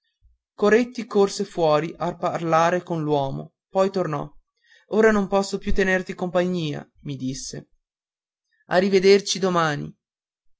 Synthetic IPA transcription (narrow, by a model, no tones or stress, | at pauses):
koɾet̪ːikorsefwɔːɾiʔaparlaːɾekonlwɔːmo̰ | pɔjt̪ornɔ̰ | oːɾanompɔsːopjut̪ːenert̪ikompaɲːiːa̰ | mid̪isːḛ | a̰rːived̪ert͡ʃid̪omaːnḭ